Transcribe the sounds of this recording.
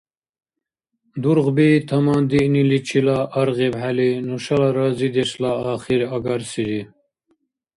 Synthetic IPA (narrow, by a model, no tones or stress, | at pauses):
d̪uɾɣbit̪ʰɐmɑːnd̪iʔnilit͡ʃʰilaʔɑɾɣibɦælinuʃɑlɑɾɑːzid̪ɛslaaːχiɾaɡaɾsiɾi